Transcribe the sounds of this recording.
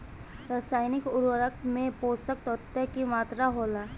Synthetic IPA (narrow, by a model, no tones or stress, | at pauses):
ɾaːsaːɪnɪkʊɾʋəɾək̚mẽpoːsək̚t̪ɔt̪ːəkimaːt̪ɾaɦoːlaː